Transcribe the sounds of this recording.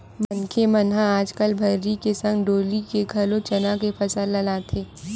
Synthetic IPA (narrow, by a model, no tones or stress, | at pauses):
mɐnkʰemɐnɦãaːd͡ʒkəlbʱɐɾːikesɐ̃ŋɡɖoːlikeɡʱɐlõt͡ʃɐnãkepʰɐsəlːɐlaːt̪ʰeː